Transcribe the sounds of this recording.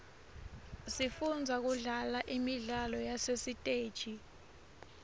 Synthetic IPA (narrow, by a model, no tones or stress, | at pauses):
sifund͡zʱak̬uɮalaʔimiɮalɔjasesitʼeːd̥ʒ̥ʱi